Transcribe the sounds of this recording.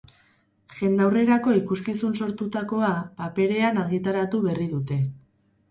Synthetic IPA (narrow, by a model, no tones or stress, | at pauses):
ʝe̞nd̪awre̞ɾako̞ikuskisunso̞ɾt̪ut̪ako̞apape̞ɾe̞anaɾɣit̪aɾat̪uβe̞riðut̪e̞